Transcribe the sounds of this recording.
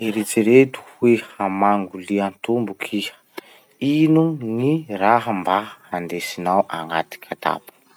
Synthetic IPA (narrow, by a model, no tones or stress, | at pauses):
eɾet͡siɾet̪u̥wehamaŋɡuliant̪umbukʰiə̥ | inuniraɦəmbaand̪esinawʔaŋat̪i̥kʰʲət̪a̰pu̥